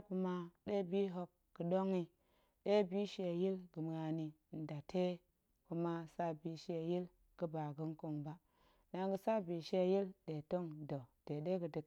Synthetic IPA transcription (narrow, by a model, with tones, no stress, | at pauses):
ku˧ma˦ɗe˦bi˦ɦo˨kːə˨ɗo˦ŋi˦ | ɗe˦bi˦ʃe˨ji˦lɡɨ˨m˨a˨ni˨n̩˨da˨tʰe˦ | ku˦ma˦sa˦bi˨ʃe˨ji˦l | ɡ̥ɨ˦ba˨ɡu˦ŋko˨ŋba˨ | na˦ŋɡə˨sa˦bi˨ʃe˦ji˦lɗe˨to˦ŋdo˨d̥e˨ɗe˦ɡɨ˨di˨k